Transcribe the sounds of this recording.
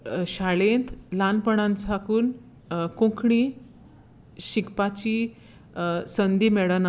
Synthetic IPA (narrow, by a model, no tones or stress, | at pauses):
ɕaɭent̪ʰlanpəɳãnt͡sʰakuːn | kũkʰɳiː | ɕikpat͡ɕiː | sənd̪iːmɛɭəna